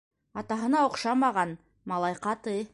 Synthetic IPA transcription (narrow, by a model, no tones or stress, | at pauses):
ɑt̪ɑɦə̆nɑoqʃɑmɑʁɑn | mɑlˠɑjqɑt̪ə